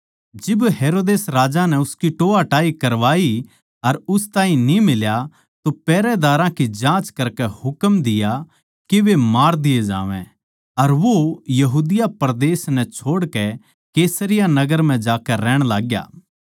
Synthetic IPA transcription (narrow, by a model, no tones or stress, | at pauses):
d͡ʒɪbɦeːɾoːd̪eːsɾaːd͡ʒanɛʊskiʈoːaʈaːikɐɾʋaːi | ɐɾʊst̪ãːɦĩnimɪlja | t̪opɛːɾɛd̪aːɾãkid͡ʒãːt͡ʃkɐɾkɛhʊkəmd̪ɪja | kiʋemaːɾd̪ɪjed͡ʒã̰ːʋɛ̰̃ | ɐɾʋojɐɦuːd̪ɪjapɐɾd̪eːsnɛt͡ʃʰoːɽkɛ | keːsəɾɪjanɐɡəɾm̤ɛ̃d͡ʒaːkɛɾɛːɽ̃laːɡja̰ː